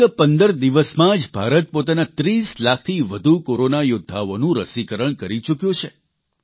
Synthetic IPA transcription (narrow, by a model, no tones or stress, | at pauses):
əpənd̪əɾd̪iʋəsmãd͡ʒbʱaɾət̪̚pot̪anat̪ɾislak̚ʰt̪ʰiʋəd̪ʱukoɾonajʊd̪ʱːaʋonũɾəsikəɾəɳ̃kəɾit͡ʃukjõt͡ʃʰe